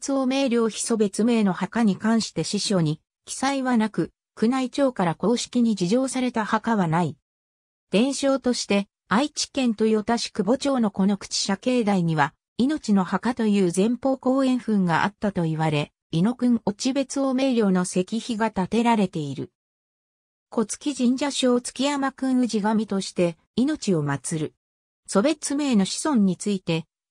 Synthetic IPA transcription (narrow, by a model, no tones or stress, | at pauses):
t͡sɨome̞ːɾʲjo̞ːçi̥so̞be̞t͡sɨme̞ːno̞hakaɲ̟ikãɰ̃ɕi̥t̪e̞ɕiɕo̞ːɲ̟i | kʲi̥saiβanakɯ̟ | kɯ̟nait͡ɕo̞ːkaɾako̞ːɕi̥kʲiɲ̟id͡ʑiʑo̞ːsaɾe̞t̪ahakaβanai | d̪̥ẽ̞ɰ̃ɕo̞ːt̪o̞ɕi̥t̪e̞ | ait͡ɕi̥kẽ̞nt̪o̞jot̪aɕi̥kɯ̟bo̞t͡ɕo̞ːno̞ko̞no̞kɯ̟̥t͡ɕi̥ɕake̞ːd̪aiɲ̟iβa | ino̞t͡ɕino̞hakat̪o̞jɯ̟ːzẽ̞mpo̞ːko̞ːẽ̞ɰ̃ɸɯ̟̃ŋɡaʔa̰t̪ːat̪o̞iβaɾe̞ | ino̞kɯ̟̃ɴo̞t͡ɕibe̞t͡sɨoːme̞ːɾʲjo̞ːno̞se̞kʲiçiɡat̪at̪e̞ɾaɾe̞t̪e̞iɾɯ̟̰ | ko̞t͡sɨ̥kʲiʑĩɲ̟d͡ʑaɕo̞ːt͡sɨ̥kʲijamakɯ̟̃ɰ̃ɯ̟ʑiɡamʲit̪o̞ɕi̥t̪e̞ | ino̞t͡ɕio̞mat͡sɨɾɯ̟ | so̞be̞t͡sɨmeːno̞ɕi̥sõ̞ɲ̟ːit͡sɨit̪e̞